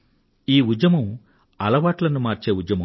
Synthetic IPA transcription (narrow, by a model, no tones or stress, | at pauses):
iːud͡ʒɐmɐm | ɐlɐʋaːʈlɐnumaːɾt͡ʃe̞ːud͡ʒɐmɐm